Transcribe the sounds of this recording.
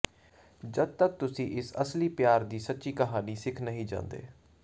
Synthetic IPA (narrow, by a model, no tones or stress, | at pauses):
d͡ʒəd̪̚t̪ək̚t̪ʊsĩːʔɪsəsliːpjaːɾd̪iːsət̪ːʃiːkəɦaːniːsɪkʰnəɦĩːd͡ʒã̰ːnd̪ḛː